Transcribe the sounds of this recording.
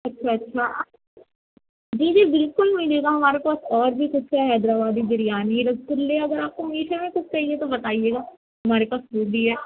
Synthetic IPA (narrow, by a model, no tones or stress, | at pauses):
ɐtːʃʰaɐtːʃʰaː | d͡ʒiːd͡ʒiːbɪlkʊlmɪ̃d̪eːɡaɦɐmaːɾepaːsɔːɾbʱikʊt͡ʃʰkaɦɛːd̪ɾaːbaːd̪id͡ʒɪɾijaːniɾɐɡ̚t̪ʊɾleɐɡəɾaːp̚komiːʈʰemẽkʊt͡ʃʰt͡ʃaːɦiet̪obɐt̪aːijeːɡaː | ɦɐmaːɾepaːsɾuːɡiɦɛː